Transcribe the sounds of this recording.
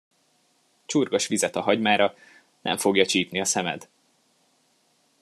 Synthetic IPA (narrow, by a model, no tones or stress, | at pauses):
t͡ʃurɡoʃʋizɛt̪ɒɦɒɟmaːɾɒ | nɛ̰ɱfo̞ɡjɒt͡ʃiːpniɒsɛmɛ̰d̪